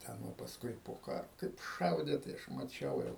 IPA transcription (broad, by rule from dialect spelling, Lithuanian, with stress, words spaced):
ˈtʲɛn ʋɐ pɐsˈkʊɪ poː ˈkɑːroː kɐɪp ˈʃɐʊdʲeː tɐɪ ˈɐʃ mɐˈt͡ʃʲɛʊ jɛʊ